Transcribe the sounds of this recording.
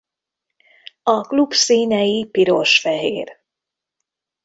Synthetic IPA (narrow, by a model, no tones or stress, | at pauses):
ɒklubsiːɲɛjipiɾoʃfɛɦeːr